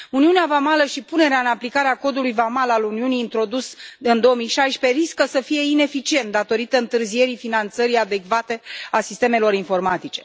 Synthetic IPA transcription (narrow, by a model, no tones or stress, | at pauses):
uniuneavamaləʃipune̞ɾeaɨnaplikaɾeako̞d̪ulujvamalaluniuniːnt̪ɾo̞d̪usɨnd̪o̞omijʃajʃpe̞riskəsəfije̞ine̞fit͡ʃie̞nt̪̚d̪at̪o̞ɾit̪əɨnt̪ɨrzie̞ɾifinant̪səɾiad̪e̞kvat̪e̞asist̪e̞me̞lo̞ɾinfo̞rmat̪it͡ʃe̞̥